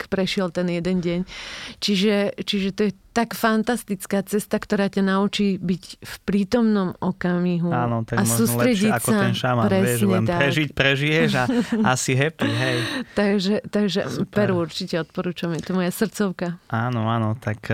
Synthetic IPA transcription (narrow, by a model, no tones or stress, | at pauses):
kpɾɛʃɪɛlt̪ɛnjɛd̪ɛnɟɛɲt͡ʃiʒɛt͡ʃiʒɛt̪ɔjɛt̪akfant̪ast̪it͡skaːt͡sɛst̪akt̪ɔɾaːcanaut͡ʃiːbicfpɾiːt̪ɔmnɔmɔkamiɦuaːnɔt̪aɡamsɔʒuːɔstlɾɛɟiaksɔaɛnʃampɾɛsɛʒɲɛnt̪aɾɛʒicpɾɛʒijɛʒaasiɦɛpiɦɛjt̪aɡʒɛt̪aɡʒɛ̰pɛɾuɾt͡ʃicɛɔt̪̚pɔɾuːt͡ʃamjɛt̪ɔmɔjasr̩t̪t͡sɔʊkaaːnɔaːnɔt̪ak